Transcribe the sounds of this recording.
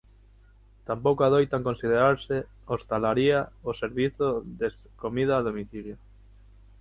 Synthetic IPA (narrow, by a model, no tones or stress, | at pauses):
t̪ampowkaðojt̪aŋkonsið̞eɾaɾse | ost̪alaɾiaoseɾβiθoðes | komiðaːðomiθiljo